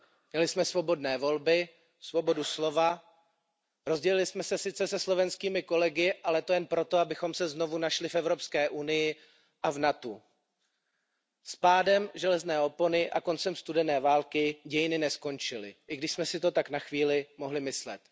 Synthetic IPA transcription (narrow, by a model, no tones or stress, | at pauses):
mɲɛlɪsmɛsvo̞bo̞dnɛːvo̞lbɪ | svo̞bo̞duslo̞va | ɾo̞zɟɛlɪlɪsmɛsɛsɪt͡sɛsɛslo̞vɛnskiːmɪko̞lɛɡɪʔalɛt̪o̞jɛnpɾo̞t̪o̞abɪxo̞msɛzno̞vunaʃlɪfɛvɾo̞pskɛːʔunɪjɪ | ʔavnat̪u | spaːdɛmʒɛlɛznɛːo̞ponɪʔako̞nt͡sɛmst̪udɛnɛːvaːlkɪɟɛjɪnɪnɛsko̞nt͡ʃɪlɪ̰ʔɪɡdɪʃsmɛsɪt̪o̞t̪aknaxviːlɪmo̞ɦlɪmɪslɛ̰t̪